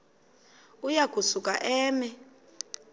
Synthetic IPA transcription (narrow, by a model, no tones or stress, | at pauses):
ujaɡ̥ʱusukʼa̰ʔɛːmɛ